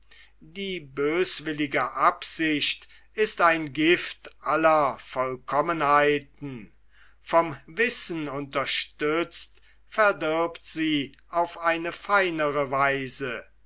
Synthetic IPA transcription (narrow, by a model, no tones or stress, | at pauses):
diːbøːsvɪlɪɡəʔapz̥ɪʃt | ɪstaɪnɡɪftʔalɐfɔlkʰɔmənhaɪtn̩ | fɔmvɪsn̩ʊntɐʃtʏt͡st | fɛɐdɪɐptz̥iː | ʔaʊfʔaɪnəfaɪnəʁəvaɪzə